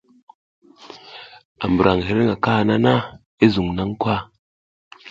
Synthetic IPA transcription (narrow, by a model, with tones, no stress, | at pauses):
a̰˨m˨bɾa˨ŋ˨ɦe˨ɾe˦ŋa˨ka˦˨na˦na˦ | e˦zu˨ŋna˦ŋ˦kwa˦